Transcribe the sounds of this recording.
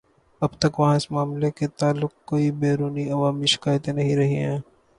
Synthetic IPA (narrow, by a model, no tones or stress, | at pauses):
ɐbt̪ɐkʋɐɦãɪsmaːmleket̪aːlːʊk̚koːibeːɾuːniɐʋaːmiʃɪ̥kaːjt̪ẽnɐɦĩɾɐɦiɦɛ̃ː